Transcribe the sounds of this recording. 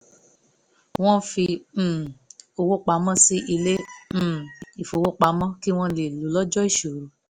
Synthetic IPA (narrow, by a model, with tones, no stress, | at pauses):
w̃ɔ̃˦fĩ˧˦˨ | o˧wo˦k͡pa˧˦mɔ̃˦si˦ʔi˧lẽ˦˨ | i˨fo˨wo˦k͡pa˨˦mɔ̃˦ki˦w̃ɔ̃˦le˨lu˨˦lɔ˦d͡ʒɔ˦i˦˨ʃo˨ɾu˨˦